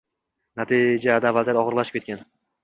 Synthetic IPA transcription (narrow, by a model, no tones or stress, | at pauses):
nat̪ʰid͡ʒad̪avazijat̪ɒʁɨɾlaʃɪ̥p̚ʲet̪̚ʲan